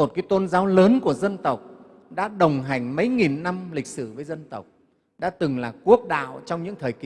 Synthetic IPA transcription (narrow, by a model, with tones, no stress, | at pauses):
o˨˩t̚kaː˨˦jt̪o˧nzaː˨˦wləː˨˦nku˧˩əzə˧nt̪ə˨˩wk͡p̚ | ɗa̰ː˧˥ɗə˨˩wŋ͡mɦa˨˩jŋ̟mə˨˦jŋi˨˩nːa˧mlï˨˩k̟̚sɨ˧˩vəː˨˦jzə˧nt̪ə˨˩wk͡p̚ | ɗa̰ː˧˥t̪ɨ˨˩ŋlaː˨˩ku˦˥ək̚ɗa̰ː˧˨wt͡ɕɔ˧wŋ͡mɲɨ̰˧˥ŋt̪ʰəː˨˩jki˧˨